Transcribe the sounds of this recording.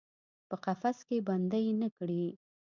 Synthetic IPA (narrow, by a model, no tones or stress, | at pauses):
pəqafaskeband̪ajnəkɽi